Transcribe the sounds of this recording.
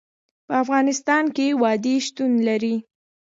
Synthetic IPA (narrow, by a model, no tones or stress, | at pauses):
pəafɣɑnɪst̪ɑnkewɑd̪eʃt̪unlaɾi